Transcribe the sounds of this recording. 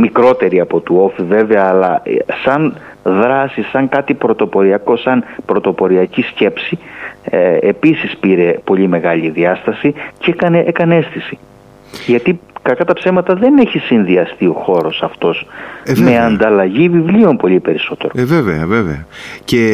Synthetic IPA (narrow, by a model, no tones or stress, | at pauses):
mikɾo̞t̪e̞ɾiɐpo̞t̪uo̞five̞ve̞ɐːlɐsɐn | ðɾɐsisɐŋkɐt̪ipɾo̞t̪o̞po̞ɾiɐko̞sɐnpɾo̞t̪o̞po̞ɾiɐcisce̞psieepisispiɾe̞po̞ʎime̞ɣɐʎiðiɐst̪ɐsicekɐneʔekɐne̞st̪isi | ʝɐt̪ikɐkɐt̪ɐpse̞vmɐt̪ɐðe̞ne̞çisinðiɐst̪io̞xo̞ɾo̞sɐft̪o̞sme̞ɐnd̪ɐlɐʝivivlio̞mpo̞ʎipe̞ɾiso̞t̪e̞̰ɾo̞veveɐveveɐce